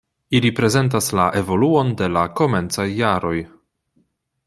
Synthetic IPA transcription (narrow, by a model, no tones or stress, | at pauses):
ilipɾe̞ze̞nt̬aslaʔe̞vo̞luo̞nde̞lako̞me̞nt͡sajːaɾo̞j